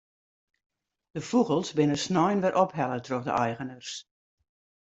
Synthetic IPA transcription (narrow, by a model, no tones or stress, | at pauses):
d̥əfuɣəlˠsbɪnəsnɔjnʋɛɾʔɔpɦɛlˠətroxdə̰ʔɛjɣənərs